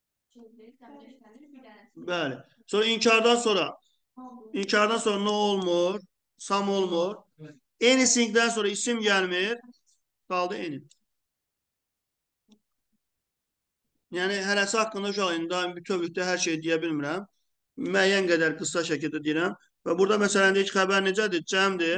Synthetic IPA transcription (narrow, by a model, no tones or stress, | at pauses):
bæli | so̞ɾɑincʰɑɾd̪ɑnso̞ːɾɑ | incʰɑɾd̪ɑnso̞ːɾɑnoolˠmuɾ | sɑmolˠmuɾ | enisiŋɡd̪ænsoɾɑisimɟælmiɾ | ɡ̥ɑlˠd̪ɯeni | jæːniɦælæsihɑkːɯnd̪ɑʃ̬uɑlind̪d̪ɑmbit̪ʰøbyçd̪æɦæɾʃejid̪ijæbilmiɾæmː | æːjænɡæd̪æɾɡɯsɑʃæcʰild̪æd̪ijiɾæm | væbuɾd̪ɑmæsælænd̪ijcʰixæbæɾned͡ʒæd̪id͡ʒæmd̪i